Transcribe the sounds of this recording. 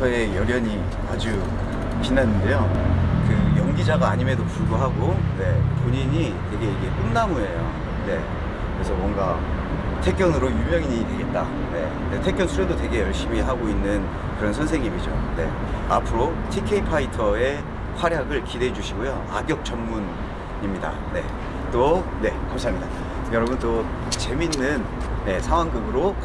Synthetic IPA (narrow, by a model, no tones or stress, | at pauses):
ʌe̞jʌɾjʌɲi | a̰d͡ʑu | t͡ɕinːanːɯnde̞jokɯjʌŋɡid͡ʑaɡaːɲime̞dopuɭɡoɦaɡone̞̰poɲiɲi | te̞ɡe̞iɡe̞k͈ɯnːamue̞jo̰ | ne̞̰ | kɯɾe̞sʰʌmwʌŋɡa | tʰe̞k͈̚jʌnɯɾojumjʌŋiɲitwe̞ɡe̞t̚t͈a | ne̞̰ | netʰe̞kjʌnsʰuɾjedote̞ɡe̞jʌɭɕ͈imiɦaɡoinːɯn | kɯɾʌnsʰʌnsʰeŋɲimid͡ʑo̰ne̞̰a̰pʰɯɾotʰikʰe̞ipʰaitʰʌe̞ | ɸwaɾjaɡɯɭkide̞d͡ʑuɕʰiɡojo | aɡjʌk̚t͡ɕ͈ʰʌmmun | imɲida̰ne̞̰ | t͈one̞kamɕʰiamɲida | jʌɾʌbuntot͡ɕe̞minːɯnː | e̞sʰawaŋɡɯbɯɾo